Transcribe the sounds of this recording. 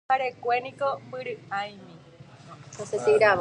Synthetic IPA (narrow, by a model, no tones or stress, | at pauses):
aɾekʷenĩkombɨɾɨajmĩ | hoset̪eɾa